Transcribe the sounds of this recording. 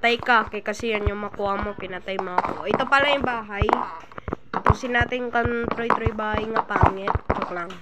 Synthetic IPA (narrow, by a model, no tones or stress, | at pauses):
t̪ajkakɐjkɐsijanjoŋmɐkuʔamopɪnat̪ajmoɐkoʔaʔɪt̪opɐlajʊŋbaːɦaj | k̪ɐpusɪnaːt̪ɪŋkant̪ɾojt̪ɾojbaːhajŋapaːŋɛt̪̚t͡ʃoklaŋ